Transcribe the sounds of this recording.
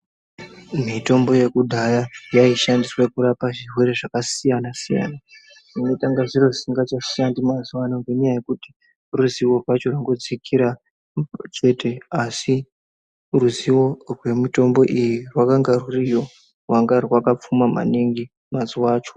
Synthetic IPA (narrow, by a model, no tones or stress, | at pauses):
mito̞mbo̞je̞kudʱajajaiʃandiswakuɾapaʐirwe̞ɾe̞ʐakasijanasija̰ːna | ʐino̞taŋɡaʐiro̞siŋɡat͡ʃaʃandimaziwanoŋɡeɲajaje̞kuti̥ | ruziwo̞rwat͡ʃo̞rwaŋɡo̞d͡zikʰiɾa | t͡ʃe̞te̞asi | ruziwo̞rwe̞mito̞mbo̞ʔijirwakaŋɡarurijo̞ | rwaŋɡarwakap͡fumama̰niŋɡi | maziwaːt͡ʃo̞̥